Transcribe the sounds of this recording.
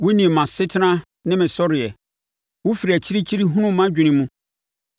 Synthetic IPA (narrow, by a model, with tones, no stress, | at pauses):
wo˦nĩ˨mã˨sɪ˦tʰɪ˦nã˦ | nɪ̃˦mɪ̃˨sɔ˦ɾɪ˨ɛ˨ | wʊ˦fi˨ɾi˨æ˨t͡ɕʰi˦ɾi˦t͡ɕʰi˦ɾi˦ɦũ˦nʊ̃˦mã˦d͡ʑᶣɪ̃˨nɪ̃˨mũ˦